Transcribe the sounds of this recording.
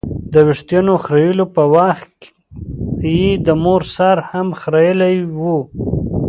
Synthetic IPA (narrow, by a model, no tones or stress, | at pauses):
d̪əwɪʂt̪janoxɾajulopəwaxk | jid̪əmoɾsɑɾhamxɾajəlajwu